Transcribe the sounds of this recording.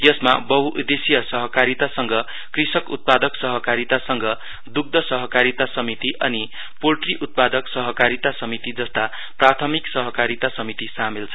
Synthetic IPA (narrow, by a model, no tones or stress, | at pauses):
jʌsma̰bʌɦuʔud̪esijʌsʌɦʌkaɾit̪asʌŋɡʌ | krisʌkṵt̪̚pad̪ʌksʌɦʌkaɾit̪asʌŋɡʌ | d̪uk̚d̪ʱʌsʌɦʌkaɾit̪asʌmit̪iʔʌni | polʈriʔut̪̚pad̪ʌksʌɦʌkaɾit̪asʌmit̪id͡zʌst̪a | prat̪ʰʌmiksʌɦʌkaɾit̪asʌmit̪isamilt͡sʰʌ